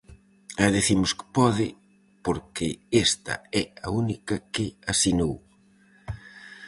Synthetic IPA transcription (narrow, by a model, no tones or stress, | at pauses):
aðiθimʊskɪ̥pɔðɪ | poɾkɪest̪ɐ̰ɛɐunikɐkɪasinow